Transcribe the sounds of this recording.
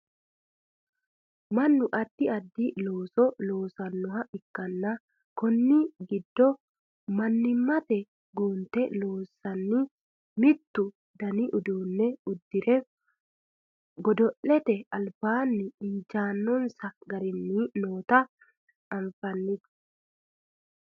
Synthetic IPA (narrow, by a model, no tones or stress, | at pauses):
mɐnːʊʔɐd̪ːɪɐd̪ːɪloːsɔlo̞ːsɐnːʊhɐʔɪkːɐnːɐ | kɔnːɪɡɪd̪ːɔ | mɐnːɪmːɐt̪ɛ | ɡuːnt̪ɛloːsːɐnːɪ | mɪt̪ːʊ | d̪ɐnɪʔʊd̪uːnːɛʊd̪ːɪɾɛ | ɡɔd̪ɔʔɛt̪ɛɐlbaːnːɪɪnd͡ʒaːnːɔnsɐɡɐɾɪnːinoːt̪ɐ | ɐɱfɐnːɪt̪